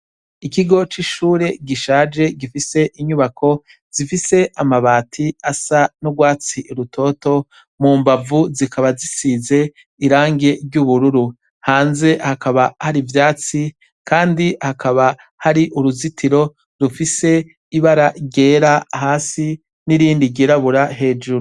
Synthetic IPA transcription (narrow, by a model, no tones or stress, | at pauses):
ikiɡo̞t͡ʃiʃuːɾe̞ɡiʃaːd͡ʒe̞ɡifise̞ʔiɲuβakʰo̞ | z̥ifise̞ʔamaβaːtʰiasanoɡwaːt͡siʔɾutʰo̞ːto̞ | muːmbavuzikaβazisize̞ | iɾaːŋɡe̞ɾɟuβuɾuɾu | haːnze̞hakaβahaɾivjaːt͡si | kʰaːndihakaβa | haɾiʔuɾuzitiɾo̞ | ɾufise̞ | iβaɾaɟe̞ːɾahaːsi | niɾiːndiɟiɾaβuɾaɦe̞ːd͡ʒuɾu